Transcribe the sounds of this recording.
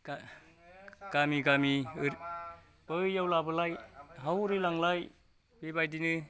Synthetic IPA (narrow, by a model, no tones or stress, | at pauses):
a | ɡ̥amiɡamiɯɾ | b̥ɯjawlabɯlajɦawɾilaŋlaj | b̥ebajdinɯ